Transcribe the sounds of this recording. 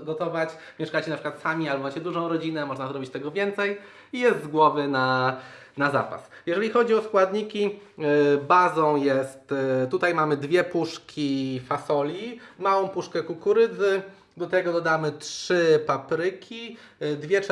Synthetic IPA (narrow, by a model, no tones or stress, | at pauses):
ɡɔt̪ɔvat͡ɕ | mʲjɛʂkat͡ɕɛnapʂɘ̥kwat̪samʲialbɔmat͡ɕɛd̪uʐɔ̃w̃ɾɔd͡ʑinɛmɔʐnazɾɔbʲit͡ɕt̪ɛɡɔvʲjɛnt̪sɛj | ijɛst̪zɡwɔvɘna | naza̰pa̰sjɛʐɛlʲixɔd͡ʑiɔskwad̪ɲikʲi | bazɔ̃w̃jɛst̪t̪ːut̪ajmamɘd̪vʲjɛpuʂkʲifasɔlʲimawɔ̃w̃puʂkɛkukuɾɘd̪zɘ | d̪ɔt̪ɛɡɔd̪ɔd̪amɘtʂɘpapɾɘkʲi | d̪vʲjɛt͡ʂ